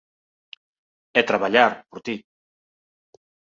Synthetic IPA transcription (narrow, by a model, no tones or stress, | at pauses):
et̪ɾaβaʎaɾpuɾt̪i